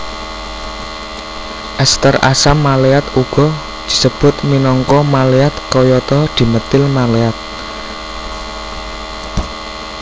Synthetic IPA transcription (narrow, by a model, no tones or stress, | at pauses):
ʔɛst̪əra̰samːaleat̪uɡ̥ɔ̤ | d̪̥i̤səb̥ʊ̤t̪̚minɔŋkɔmaleat̪̚kɔjɔt̪ɔd̪̥i̤mət̪ɪlmaleat̪̚